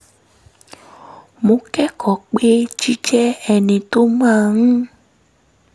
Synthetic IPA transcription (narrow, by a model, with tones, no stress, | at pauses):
mo˧˦kɛ˦kʰɔ˨k͡pe˦t͡ʃi˦d͡ʒɛ˦ɛ˧nĩ˧to˦mãː˦˨h̩˦